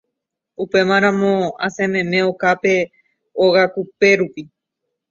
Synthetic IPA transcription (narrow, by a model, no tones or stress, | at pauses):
upe̞mãɾ̃ãmõa̰sẽmẽmẽ̞okape̞ | oɣakupe̞ɾupi